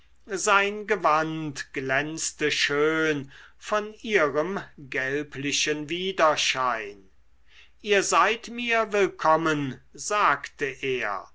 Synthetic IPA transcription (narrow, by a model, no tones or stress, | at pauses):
zaɪnɡəvantɡ̥lɛnstəʃøːn | fɔniːʁəmɡɛlpʰlɪʃənviːdɐʃaɪn | ʔiːɐzaɪtmiːɐvɪlkʰɔmənzaːktəʔeːɐ̰